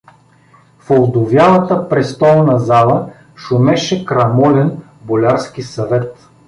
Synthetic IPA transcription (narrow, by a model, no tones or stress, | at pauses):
folˠd̪ʊvjalˠət̪əpɾɛst̪ɔlˠnɐzalˠə | ʃʊmɛʃɛkɾɐmɔlʲɛn | bolʲaɾskisɐvɛt̪